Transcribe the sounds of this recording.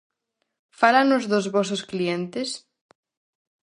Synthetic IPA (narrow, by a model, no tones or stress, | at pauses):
falanʊzðʊzβɔsosklient̪ɪs